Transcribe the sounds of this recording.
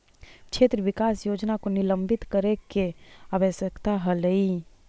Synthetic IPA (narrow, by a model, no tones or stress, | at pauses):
t͡ʃʰeːt̪ɾəʋɪkaːsjoːd͡ʒnakonɪləmbʱɪt̪kəɾekeaʋəsjəkt̪aɦələi